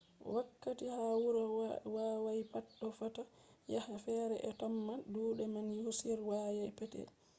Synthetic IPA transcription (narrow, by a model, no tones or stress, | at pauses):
wakːatihawuɾɔwaːwajpaɗːɔfata | jahafɛːɾɛʔɛtɔmːaduːɗɛmanjosiɾwajajpɛtɛ̰l